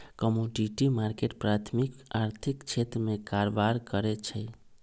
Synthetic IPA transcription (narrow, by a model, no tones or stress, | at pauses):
kəmoɖiʈimaɾkeʈ̚pɾat̪ʰmikaɾt̪ʰikt͡ʃʰet̪ɾəmekaɾʋaɾkəɾɛt͡ʃʰə